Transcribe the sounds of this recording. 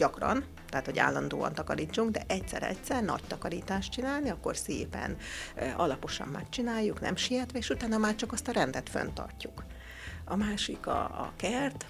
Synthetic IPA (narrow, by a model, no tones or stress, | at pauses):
ɟ̥ɒkrɒn | t̪ɛɦːt̪ho̞ɟa̰ːlːɒnd̪o̰ːɒ̰nt̪ɒkɒɾiːt͡ʃːuŋɡd̪ɛʔɛcsɛ̰ɾɛ̰csɛrnɒ̰ct̪ɒkɒɾiːt̪aːʃtt͡ʃinaːlniɒkːo̞̰rsḛːpɛ̰nɒlɒpo̞ʃɒ̰mːɛkt͡ʃinaːjːuknɛ̰mʃijɛt̪ʋɛeːʃut̪aːnːɒmaːrt͡ʃɒkɒst̪ɒɾɛnd̪ɛt̪fø̰nt̪ɒ̰rcːuk | ɒmaːʃikɒ̰kɛrt̪